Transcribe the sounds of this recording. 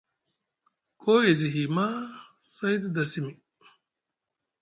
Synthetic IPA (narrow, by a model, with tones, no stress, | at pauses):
kʰo˦e˨ziɦima˦ | sɐ˦jd̪d̪ɐsimi˨